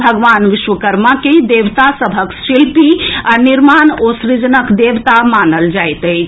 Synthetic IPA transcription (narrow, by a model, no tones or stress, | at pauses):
bʱəɡʋanʋiʃwəkəɾmaked̪eʋt̪asəbʱəksilpianiɾmanosɾid͡ʒənəkd̪ewt̪amanəld͡ʒajt̪əjt͡ʃʰ